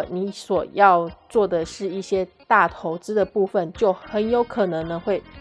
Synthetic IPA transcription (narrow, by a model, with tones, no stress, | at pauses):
ni˧˥swɔ˨˩jɑ˥˧ʊt͡swɔ˥˩d̪ə˩ʂɻ̩˥˧i˥˩ɕjɛ˥t̪a˥˩t̪ʰo˧˥ʊt͡sɹ̩˥d̪ə˨pu˥˧fə˨nt͡ɕjo˥˩ʊxə˧˦njo˧˥ʊkʰɤ˨˩nɤ˧˦ŋd̪ə˧xwe˥˩ɪ